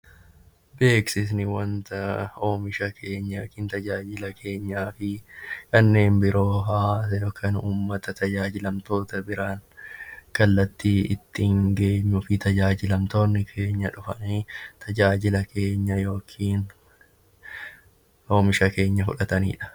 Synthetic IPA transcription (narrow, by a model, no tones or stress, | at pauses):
be̞ːksɪs̬nɪwɐnt̪ɐo̞ːmɪʃɐkʰe̞ːɲːɐkiːnt̪ɐd͡ʒaːd͡ʒɪlɐkʰe̞ːɲːaːfɪkɐnːe̞ːmbɪɾo̞ːɦaːɐjoːkʰːɐnuːmːɐt̪ɐt̪ɐd͡ʒaːd͡ʒɪlɐmt̪o̞ːt̪ɐbɪɾaːŋkɐlːɐt̪ːiɪt̪ːɪŋɡe̞ːɲːʊfɪt̪ɐd͡ʒaːd͡ʒɪlɐmt̪o̞ːnːɪkʰe̞ːɲːɐᶑʊfɐniːt̪ʰɐd͡ʒaːd͡ʒɪlɐkʰe̞ːɲːɐjo̞ːkʰiːn | o̞ːmɪʃɐke̞ːɲːɐfʊᶑɐt̪ɐnḭːᶑɐ̥